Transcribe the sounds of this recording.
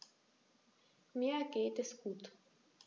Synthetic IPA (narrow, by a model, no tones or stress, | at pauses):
miəɡeːt̪eskuːt̪